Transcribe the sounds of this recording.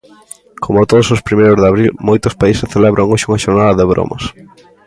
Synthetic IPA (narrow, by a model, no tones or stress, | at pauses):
kʰomʊt̪oðosospɾimejɾʊzðaβɾilmojt̪ʊspaisesθelɛβɾɐŋoʃɪuŋɐʃoɾnaðɐðeβɾo̰mʔɐ̰s